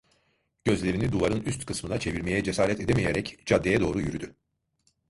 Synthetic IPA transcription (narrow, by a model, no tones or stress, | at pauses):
ɟ̥ø̞zlʲe̞ɾinid̪uvaɾɯnyst̪kʰɯsmɯnat͡ʃʰe̞viɾme̞jɛd͡ʒe̞saːɾɛt̪ʰe̞d̪emejeɾɛcd͡ʒad̪ːejɛd̪o̞ːɾujyɾyd̪y